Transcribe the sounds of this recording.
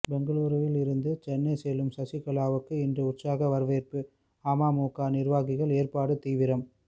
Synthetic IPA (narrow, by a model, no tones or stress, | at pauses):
bɛŋɡɐɭuːɾɯʋɪlɪɾɯnd̪ɯt͡ʃɛnːɐɪsɛjlɯmsɐsɪkɐɭaːʋɯkːɯɪndrɯʊʈsaːɣɐʋɐɾʋeːrpɯ | aːmaːmuːkaːnɪɾʋaːɣɪɣɐɭeːrpaːɽɯt̪iːʋɪɾɐm